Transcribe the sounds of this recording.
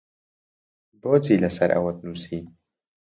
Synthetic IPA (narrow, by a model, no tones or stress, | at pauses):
boːt͡siːlɐsɐɾʔɐ̰wɐt̪̚nusiː